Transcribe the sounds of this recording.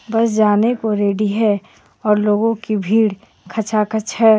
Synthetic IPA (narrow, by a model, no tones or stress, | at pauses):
bɐsd͡ʒaːnekoɾeːɖiɦɛ | ɔːɾloːɡõkibʱiːɽ | kʰɐt͡ʃʰakət͡ʃɦɛː